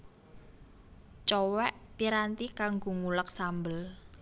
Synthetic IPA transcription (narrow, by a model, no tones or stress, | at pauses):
t͡ʃɔwɛʔpiɾant̪ikaŋɡoŋulək̚sambəl